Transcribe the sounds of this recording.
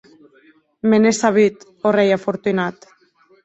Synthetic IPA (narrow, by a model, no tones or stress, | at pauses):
menesaβit̪ | orejafoɾt̪unat̪